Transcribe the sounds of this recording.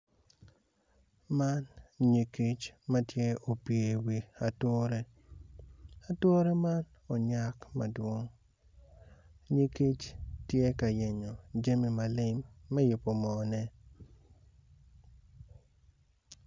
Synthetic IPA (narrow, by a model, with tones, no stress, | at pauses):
ma˦nɲi˨ki˦t͡ʃma˦tje˦o˨pje˨wi˨a˨two˦ɾe˦ | a˨two˦ɾe˦ma˦n | o˨ɲa˦kma˨dwo˦ŋ | ɲi˦ki˦t͡ʃtje˦ka˨je˨ɲo˨d͡ʒe˦mi˨ma˨lɪ˦mːɛ˦jʊ˨po˨mɔ˨nɛ˦